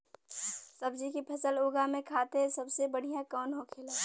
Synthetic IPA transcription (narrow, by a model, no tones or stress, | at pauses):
səbd͡ʒikipʰɐsəloːɡamẽkʰaːt̪esɐbsebəɽ̤ijãkɔːnɦokʰeːlaː